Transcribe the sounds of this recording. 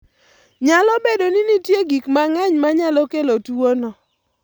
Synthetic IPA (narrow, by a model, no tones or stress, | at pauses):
ɲalɔbedoninitjeɡikmaŋaɲmaɲalɔkelotuonɔ